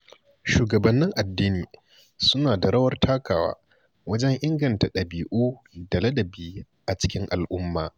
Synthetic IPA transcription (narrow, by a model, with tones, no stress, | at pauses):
ʃuː˨ɡɐ˨bɐ˨nːɪ˦ŋʔa˨dːiː˦niː˨ | sʊ˦naː˨da˨ɾɐ˦wɐ˦rtʰaː˦kaː˨wa̰ː˦ | wɐ˦d͡ʒɛ˦ŋʔɪ˦ŋɡɐ˨nta˨ɗɐ˨biː˨ʔuː˦ | dɐ˨lɐ˦dɐ˨biː˦ | ʔa˨t͡ʃɪ̥˦kʲɪ˦ŋʔa̰˨lʔʊ˦mːaː˨